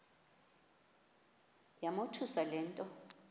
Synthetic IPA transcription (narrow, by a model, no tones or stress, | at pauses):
jamotʰusalɛːntʼɔ